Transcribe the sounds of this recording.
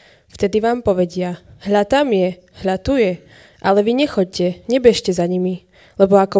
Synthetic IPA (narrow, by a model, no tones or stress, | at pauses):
ft̪ɛd̪iʋaːmpɔʋɛɟɪaɦʎat̪amjɛ | ɦʎat̪ujɛ | ʔalɛʋiɲɛxɔc̚cɛɲɛbɛʃcɛzaɲimi | lɛbɔakɔ